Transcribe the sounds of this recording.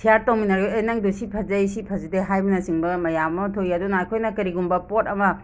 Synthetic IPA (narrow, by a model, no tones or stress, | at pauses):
sʰijaɾtowminaɾɡeejnaŋdusipʰɐzɐjsipʰɐzideɦajbɐnɐsiŋbɐmɐjammɐtʰojadunajkʰojnɐkɐɾiɡumbɐpotɐmɐ